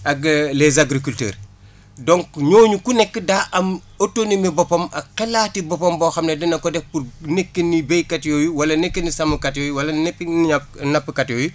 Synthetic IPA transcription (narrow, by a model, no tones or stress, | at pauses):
ʔɐɡlezaɡɾikultḛːɾ | dɔŋkɲoːɲukunɛkːədaʔɐm | otonimibɔpɐmɐqɛlaːtibɔpɐmbɔxɐmnedɐnɐkɔdɛf̚purnekːenːibejkatjɔːjuwɐlɐnekːənisɐmukɐtjɔːjuwɐlɐnepːianapːəkatjɔːju